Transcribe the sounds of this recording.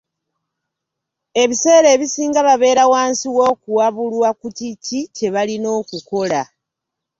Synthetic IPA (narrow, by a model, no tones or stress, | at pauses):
e̞βise̞ːɾe̞ːβisiːŋɡaβaβe̞ːɾawaːnsiwo̞ːkuwaβulwakuticice̞βalino̞ːkuko̞la